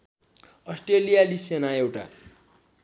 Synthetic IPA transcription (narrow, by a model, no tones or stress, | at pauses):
ʌsʈrelijalisenaewʈa̰